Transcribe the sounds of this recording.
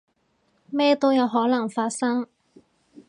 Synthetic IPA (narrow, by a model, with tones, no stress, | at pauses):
mɛː˥t̪o˥wjɐ˨˧wɦɔː˨˥nɐ˨˩ŋfaː˧t̚sɐ˥ŋ